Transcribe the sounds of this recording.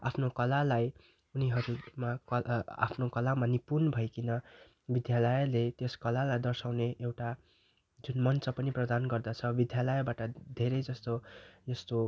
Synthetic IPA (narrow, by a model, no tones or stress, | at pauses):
a̰pʰnokʌlalaj | uniɦʌɾumakʌa̰pʰnokʌlamanipunbʱʌjkinʌ | bid̪jalʌjlet̪jeskʌlalajd̪ʌrsawneʔewʈa | d͡zunmʌnt͡sʌpʌniprʌd̪anɡʌrd̪ʌt͡sʰʌbid̪jalʌjbaʈʌd̪ʱeɾʌjd͡zʌst̪ojʌst̪o